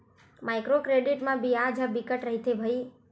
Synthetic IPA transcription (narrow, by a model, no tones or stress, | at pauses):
majkɾokɾeɖiʈmãbijad͡ʒabikəʈɾəɦit̪ʰebʱəi